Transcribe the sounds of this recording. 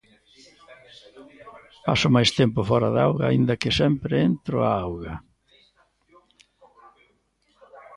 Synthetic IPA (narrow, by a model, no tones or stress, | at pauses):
pa̰sʊmajst̪ɛmpʊfɔɾɐða̰wɣɐaind̪ɐkɪsɛmpɾɪent̪ɾʊ̰a̰awɣɐ